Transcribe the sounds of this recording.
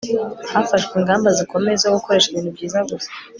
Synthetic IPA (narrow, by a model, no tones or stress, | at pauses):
hafaʃkwiːŋɡaːmbaziko̞me̞zawuko̞ɾeʃiβiːnhubɟiːzaɡusḁ